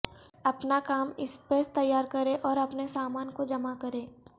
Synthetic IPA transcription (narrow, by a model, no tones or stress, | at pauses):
ɐpnakaːmɪspet̪ɐjːaːɾkɐɾẽʔɔːɾɐpnesaːmaːnkod͡ʒɐmakɐɾẽː